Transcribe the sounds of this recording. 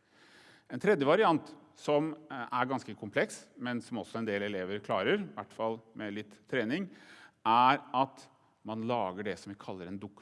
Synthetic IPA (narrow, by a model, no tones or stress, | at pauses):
ɛnt̪ʰɾɛd̪jəʋɑɾɪɑnt̪ | sɔmæɾɡɑnskəkʰʊmpʰlɛksmɛnsɔmɔsːɔɛnd̪eːlɛleːʋəɾkʰlɑːɾəɾʋæʈːfɑlmʔɛlɪt̪ʰːɾeːnɪŋæɾɑt̪ | mɑnlɑːɡəɖɛsɔmʋɪkʰɑlːəɾɛnd̪ʊkː